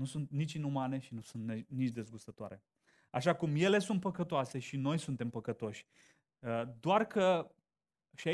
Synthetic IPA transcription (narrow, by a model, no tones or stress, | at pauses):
nusunt̪nit͡ʃʲinumane̞ʃinusunt̪nenit͡ʃʲd̪e̞zɡust̪ət̪oa̰ɾe̞ | a̰ʃakumje̞le̞sunt̪̚pəkət̪oase̞ʃino̞jsunt̪e̞mpəkət̪o̞ʃʲ | d̪oarkə | ʃia